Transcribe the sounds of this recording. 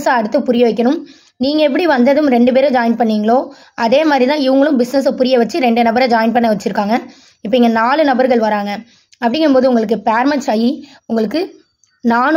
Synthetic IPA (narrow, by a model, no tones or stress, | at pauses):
saːɐɽɯt̪ːɐpʊɾɪjoːʋɪkʲːɐɳɯm | niːŋɡɐɛp̬ːɐɽiʋɐnd̪ɐðɯmɾɛɳɖɯp̬eːɾɐd͡ʒaːjɐnpɐɳːiːŋɡɐɭoː | ɐðeːmaːd̪ɾit̪ãːɪʋɐŋɡɐɭɯ̃mbɪsnɛs̬ɐpʊɾɪjɐʋɐt͡ʃːɯɾɛɳɖɯnɐbɐɾɐd͡ʒaːjɐn̚pɐɳːɐʋɐt͡ʃːɪɾɯkːaːŋɡɐ | ɪpːɐɛŋɡɐnaːɭɯnɐbɐɾɣɐɭʋɐɾaːŋɡɐ | ɐpːɐɽɪŋɡɯmpoːðɯʊŋɡɐɭɯkːɯpaːɾmɐʈt͡ʃɐji | ʊŋɡɐɭɯkːɯ | naːn